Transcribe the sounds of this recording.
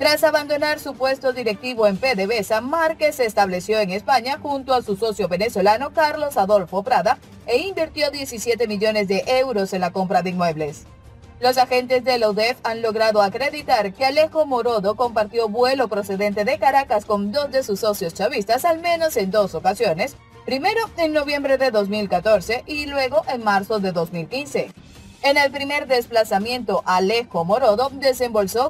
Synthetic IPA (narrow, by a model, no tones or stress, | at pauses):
t̪ɾasaβand̪o̞naɾsupwe̞st̪o̞ðiɾe̞k̚t̪iβo̞e̞mpe̞ðeβe̞samaɾkesːeːst̪aβle̞sjo̞e̞ŋe̞spaɲaxunt̪oasuso̞sjo̞βe̞ne̞swo̞lano̞kaɾlo̞saðo̞lfo̞pɾaða | eimbiɾt̪jo̞ðje̞sisje̞t̪e̞miʝo̞ne̞zðe̞ʔewɾo̞se̞nlako̞mpɾaðeinmwe̞βle̞s | lo̞saxe̞nt̪e̞zðeloðefanlo̞ɣɾaðo̞akɾe̞ðit̪aɾke̞ale̞xomo̞ɾo̞ðo̞ko̞mpaɾt̪joβwe̞lo̞pɾo̞se̞ðe̞nt̪e̞ðe̞kaɾakasko̞nd̪o̞zd̪e̞susːo̞sjo̞st͡ʃaβist̪asalmẽ̞no̞se̞nd̪o̞so̞kasjo̞ne̞s | pɾime̞ɾo̞e̞nno̞βje̞mbɾe̞ðe̞ðo̞z̬milkat̪o̞ɾse̞ʔilwe̞ɣo̞ʔeŋmaɾso̞ðe̞ðo̞zmilkinse̞ | ene̞lpɾime̞ɾd̪e̞splasamjẽ̞nt̪o̞ʔale̞xo̞mo̞ɾo̞ðo̞d̪e̞se̞mbo̞lso̞